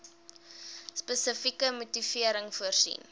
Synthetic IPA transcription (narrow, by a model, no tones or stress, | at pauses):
spəsəfikəmutifiəɾəŋfuərsḭn